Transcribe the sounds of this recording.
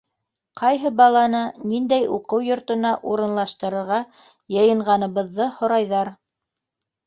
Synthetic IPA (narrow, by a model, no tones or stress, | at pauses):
qʰɑjɦɤbɑlˠɑnɤnind̪æjuqɤwjŏɾt̪ɤ̆nɑʔuɾɤ̆nlˠɑʃt̪ɤ̆ɾɤ̆ɾʁɑ | jɤ̆jɤ̆ɴʁɑnɤ̆βɤ̆ðːɤhŏɾɑjðɑɾ